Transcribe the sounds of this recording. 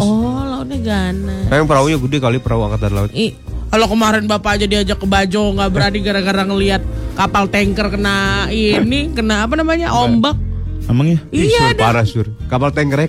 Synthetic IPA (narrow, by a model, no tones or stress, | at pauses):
ɔlaʊt̪̚ɲaɡanaajaŋpəɾaujaɡudɛkalipəɾaua̰kat̪arla̰ʊt̪̚i | kalokəmaɾɪnbapaːd͡ʒadiad͡ʒakːəbad͡ʒɔŋɡaʔbəɾadiɡaɾaɡaɾaŋəliat̪̚kapalt̪ɛŋkərkənainikənaːpanamaɲa̰ʔombak̚ | amaŋjaiadaɾasʊr | kapalt̪ɛŋkəɾɛ